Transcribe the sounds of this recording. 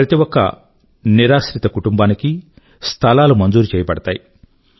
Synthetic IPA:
ɾɐt̪iwɔkːɐ̰ | niɾaːsɾit̪ɐkuʈumbaːniki | st̪ʰɐlaːlumɐnd͡ʒuːɾut͡ʃeɛːjɐpɐɽɐt̪a̰ːji

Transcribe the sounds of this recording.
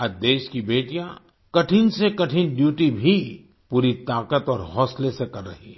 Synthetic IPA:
ɐd̪eːʃkibeːʈijã | kɐʈʰinsekɐʈʰinɖjuːʈibʱi | puːɾit̪aːkət̪ɔːɾɦɔːslesekɐɾːɐ̰ɦi

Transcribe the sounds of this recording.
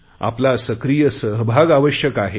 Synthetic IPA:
a̰plasəkɾijəsəɦbʱaɡaʋəɕjəkaɦe

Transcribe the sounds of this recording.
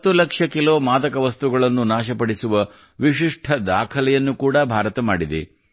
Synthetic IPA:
ɐt̪ːulɐkʂɐkilo̞ːmaːd̪ɐkɐʋɐst̪uɡɐɭɐnːunaːʃɐpɐɽisuʋɐ | ʋiʃiʂʈʰɐd̪aːkʰɐlɛjɐnːukuːɽɐbʱaːɾɐt̪ɐmaːɽid̪ḛ

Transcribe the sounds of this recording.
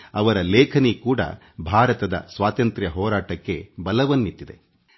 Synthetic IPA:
ɐʋɐɾɐlɛːkʰɐnikuːɽɐ̰ | bʱaːɾɐt̪ɐd̪ɐ̰sʋaːt̪ɐnt̪ɾjɐɦɔːɾaːʈɐkːe̞bɐlɐʋɐnːit̪ːid̪e̞̰

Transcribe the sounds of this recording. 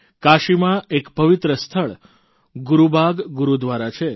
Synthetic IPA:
kaʃimãekpəʋit̪ɾəst̪ʰəɭ | ɡuɾubʱaɡɡuɾud̪ʋaɾat͡ʃʰe

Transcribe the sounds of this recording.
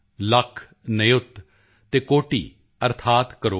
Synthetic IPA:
ləkʰː | nəjʊt̪ | t̪eːkoːʈḭː | əɾt̪ʰaːt̪kəɾoː

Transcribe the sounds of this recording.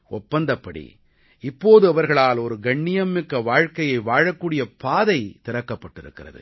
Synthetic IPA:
ɔpːɐnd̪ɐpːɐɽḭ | ɪpːoːðɯɐʋɐɾɣɐɭaːlɔɾɯɡɐɳːɪjɐmːɪkːɐʋaːɻkɐjɐɪʋaːɻɐkːuːɽɪjɐpaːðɐɪt̪ɪɾɐkːɐpːɐʈːɪɾɯ̰kːɪɾɐ̰ðɯ̰

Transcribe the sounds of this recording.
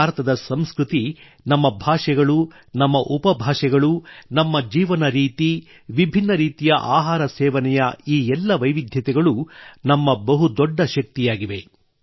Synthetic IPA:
aːɾɐt̪ɐd̪ɐsɐmskɾut̪i | nɐmːɐbʱaːʂɛɡɐɭu | nɐmːɐʔupɐbʱaːʂɛɡɐɭunɐmːɐd͡ʒiːʋɐnɐɾiːt̪i | ʋibʱinːɐɾiːt̪ijɐʔaːɦaːɾɐsɛːʋɐnɛjɐiːɛlːɐʋɐjʋid̪ʱjɐt̪ɛɡɐɭunɐmːɐbɐɦud̪ɔɖːɐʃɐk̚t̪ijaːɡiʋe̞

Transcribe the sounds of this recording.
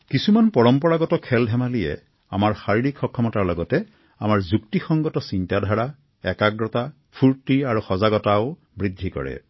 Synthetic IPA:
kisumanpɔɹɔmpɔɹaɡɔtɔkʰɛldʱɛmalijɛ̰ | a̰maɹxaɹiɹikxɔkʰːɔmɔtaɹlɔɡɔtɛ | a̰maɹzuktixɔŋɡɔtɔsintadʱaɹa | ɛkaɡɹɔta | pʰuɹtiaɹuxɔzaɡɔtaʊ | bɹidʱːikɔ̰ɹɛ̰

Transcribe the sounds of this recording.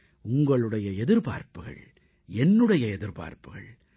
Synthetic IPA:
ʊŋɡɐɭɯɽɐjɐɛðɪɾpa̰ːɾpɯɣɐ̰ɭ | ɛnːɯɽɐjɐɛðɪɾpa̰ːɾpɯɣɐ̰ɭ

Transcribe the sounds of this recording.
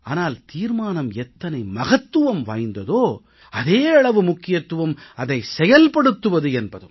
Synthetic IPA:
aːnaːlt̪iːɾmaːnɐmɛt̪ːɐnɐɪmɐɣɐt̪ːɯʋɐmʋaːjnd̪ɐðoː | ɐðeːɐɭɐʋɯmʊkːɪjɐt̪ːɯʋɐmɐðɐɪsɛjɐlpɐɽɯt̪ːɯʋɐðɯɛnbɐðɯ̰m

